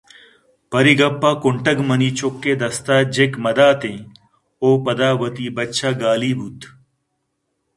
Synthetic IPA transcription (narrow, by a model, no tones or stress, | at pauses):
pɐɾiɡɐpːaːkʊɳʈəɡmɐniːt͡ʃokːeːd̪ɐst̪aːd͡ʑekmɐd̪aːt̪ẽ | oːpɐd̪aːʋɐt̪iːbɐtːʃʰaːɡaːliːbʱut̪